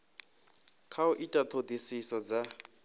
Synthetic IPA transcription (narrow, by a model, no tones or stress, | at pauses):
kʰaʊʔitʼat̪ʰodisisɔd͡za